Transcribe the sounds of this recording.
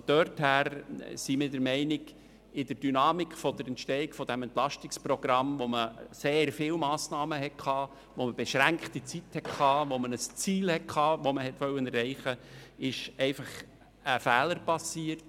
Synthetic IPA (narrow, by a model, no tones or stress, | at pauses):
fd̥̪ørthæːɾsimɪːdəɾmɛɪnɪɡ | ɪd̥əɾd̥ynɑːmɪkʰfɔd̥̪əɾɛntʃtɛɪkfɔd̥æmɛnt̪lɑʃtɪksprɔɡ̥ɾɑmʋoməseːrfɪːwmɑːsnɑːməɦɛt̚kʰχɑː | ʋoməb̥ɛʃɾæŋkχtit͡sithɛtkʰɑːʋomənəst͡siːlhɛt̚kʰɑːʋoməhɛt̪ʋœlwənɛrɛɪχəɪʃɛɪfɑχ | əfæːləɾpɑsiːəɾt